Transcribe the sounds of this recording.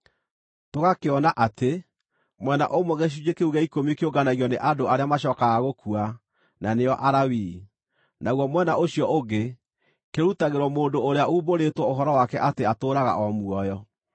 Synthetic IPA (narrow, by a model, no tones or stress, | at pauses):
toɣakeɔnaʔate | mwɛna̰ʔomwɔɣeʃ̬ud͡ʑekeuɣɛikomikeoɡanaɣjɔneʔadoaɾeamaɕɔːkaɣaɣokua | naneɔʔaɾawi | naɣwɔmwɛnaoɕiɔoɡe | keɾutaɣeɾwɔmoːndoːɾeauboɾetwɔoɦɔɾɔwakɛʔateatoːɾaɣa̰ʔɔmuɔjɔ